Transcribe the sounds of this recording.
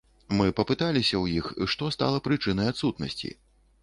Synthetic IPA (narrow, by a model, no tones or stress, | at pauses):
mɨpɐpɨt̪alʲisʲɐwjixiʂt̪ɔst̪a̰lˠɐpɾɨt͡ʂɨnɐjat̪sut̪nɐ̰sʲt͡sʲḭ